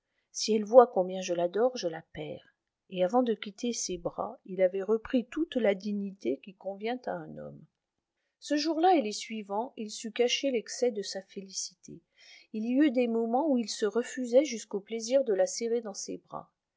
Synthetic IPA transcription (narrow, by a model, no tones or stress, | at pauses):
siɛlvwakɔ̃bjɛ̃ʒəlad̪ɔʁʒəlapɛ̰ʁ | eavɑ̃d̪əkʲit̪ʰesebʁa̰ilavɛʁəpχit̪ut̪lad̪iɲit̪ekʲikɔ̃vjɛ̃t̪aɛ̃nɔ̰m | səʒuʁlaelesɥivɑ̃ilsykaʃelɛksɛd̪əsafelisit̪ʰe | iliyd̪emɔmɑ̃uilsəʁəfyzɛʒyskopleziʁd̪əlaseʁed̪ɑ̃sḛbʁa̰